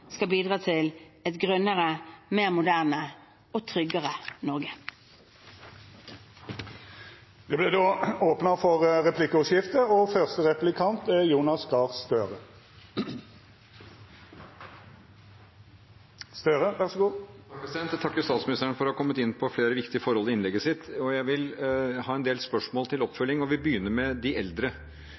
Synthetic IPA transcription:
skɑbiːd̪ʁɑːt̪ʰɪl | ɛt̪ɡʁœnːəʁəmeːʁmʊd̪æːʁnə | oːt̪ʰʁʏɡəʁənɔʁɡə | d̪̥ɛblɛd̪oːoːpnəfɔʁʁɛpʰlɪkːəɔʃjɪft̪əɔfœʁst̪əʁɛplɪkʰɑnt̪ɛjuːnɑsɡɑːʁst̪øːʁə | st̪øːʁəʋæʁsɔɡuːɑk̚pʰɾɛsɪd̪ɛnt̪t̪ʰɑkːəst̪ɑːt̪smɪnɪst̪əɳfɔɾɔhɑkʰɔmːət̪ɪnːpʰɔfleːɾəʋɪkt̪ɪəfɔɾhɔlɪɪnlɛɡːəsɪt̪ːɔjæɪʋɪlhɑːɛnd̪eːlspœʂmoːlt̪ʰɪlɔpfœlːɪŋɔʋɪbəjʏnːəɾmɛd̪ɪʔɛld̪ɾə

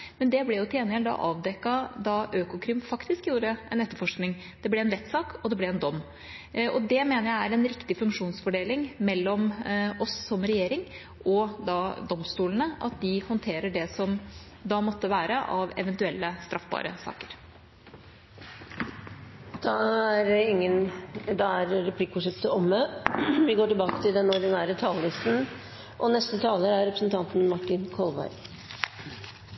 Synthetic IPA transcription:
mɛnd̪ɛblɛjʊt̪ʰeːnɪɛld̪ɑ̰ʔɑ̰ːʋd̪ɛkːɑd̪ɑʔøːkʊkʰɾɪmfɑkt̪ɪskjuːɾəəʔɛnɛt̪ːəɾfɔʂknɪŋ | d̪̥ɛblɛɛnɾɛt̪ːsɑːkɔd̪ɛblɛɛnd̪ɔmː | ʔɔd̪ɛmeːnəɾjæɪæɾɛnɾɪkt̪ɪfʉŋkʂuːnsfɔɖeːlɪŋmɛlːɔmɔsːɔmɾɛjeːɾɪŋ | ʔɔd̪ɑd̪ɔmst̪uːlənəʔɑ̰t̪̚d̪ɪhɔnt̪ʰeːɾəɖɛsɔm | d̪ɑːmɔt̪ːəʋæːɾəʔɑʋɛ̰ʋɛnt̪ʉɛlːəst̪ɾʔɑfbɑ̰ːɾə̰sɑ̰ːkəɾ | d̪̥ɑæɾɪŋːənd̪ɑæɾɾɛpʰlɪkːfɔʂɛt̪səɔmːəʋɪɡoːʈɪlbɑːkə̥t̪ʰɪld̪ɛnɔɖɪnæːɾət̪ʰɑːllɪst̪n̩ | ʔɔnɛst̪ət̪ʰɑːləɾæɾɾɛpɾəsnt̪ʰɑnt̪n̩mɑʈɪnkʰɔlʋɑ̰ɪ

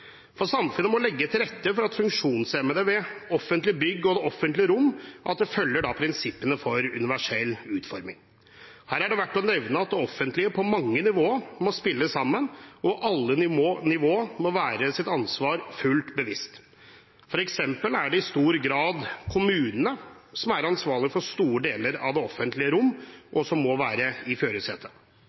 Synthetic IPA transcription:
fɔɾsɑmfʉnːəmɔlɛɡːət̪ʰɪlɾɛt̪ːəfɔɾɑt̪fʉŋkʂuːnsɛməd̪əʋɛɔfːənt̪lɪbʏɡːɔd̪ɛɔfːənt̪lɪəɾʊmːʔɑt̪̚d̪ɛfœlːəɖɑpʰɾɪnsɪpːənəfɔɾʉnɪʋæʂɛlːʉːt̪fɔɾmɪŋ | hæːɾæɖɛʋæʈːɔnɛʋnəɑt̪̚d̪ɛɔfːənt̪lɪəpʰɔmɑŋːənɪʋoːəɾmɔspɪlːəsɑmːənʔɔʔɑlːənɪnɪʋoːəmɔʋæːɾəsɪt̪ɑnsʋɑːɾfʉlt̪bəʋɪst̪ | fɔɾɛksɛmpəlæɖɛɪst̪uːɾɡɾɑːd̪kʰʊmʉːnənəsɔmæɾɑnsʋɑːɭɪfɔʂt̪uːɾəɖeːləɾɑ̰ʋd̪ɛɔfːənt̪lɪəɾʊmːʔɔsɔmːɔʋæːɾəɪføːɾəsɛːt̪ʰə

